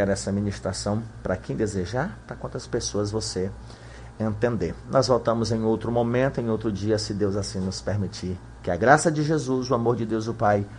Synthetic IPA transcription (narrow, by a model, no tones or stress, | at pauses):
ɛɾɛsɐmĩnist̪ɾasɐ̃w̃pɾɐkẽj̃d̪ezeʒaɾpɾɐkwɐ̃nt̪ɐspesoɐzvose | ẽnt̪ẽnd̪eɾnʔɔzvɔwt̪ɐ̃mʊzẽj̃owt̪ɾʊmõmẽnt̪ʊẽj̃owt̪ɾʊd͡ʒiɐsɪd̪ewzasĩnʊspeɾmit͡ʃi | kɪɐɡɾasɐd͡ʒɪʒezuzʊamoɾd͡ʒɪd̪ewzʊpaj